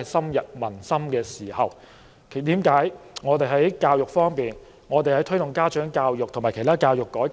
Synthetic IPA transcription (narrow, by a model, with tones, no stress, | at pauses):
sɐ˥mjɐ˨t̚mɐ˨˩nsɐ˥mkɛː˧siː˨˩hɐ˨˩w | kʰt̪iː˨˥mkaː˨˥jŋɔː˨˧t̪e˨jɦɐ˨˥jkaː˧wjʊ˨k̚fɔː˥ŋpiː˨n | ŋɔː˨˧t̪e˨jhɐ˨˥jt̪ʰɵ˥jt̪ʊ˨ŋkaː˥t͡ʃœː˨˥ŋkaː˧wjʊ˨k̚t̪ʰmaː˨˩kʰjt̪ʰaː˥kaː˧wjʊ˨kːɔː˨˥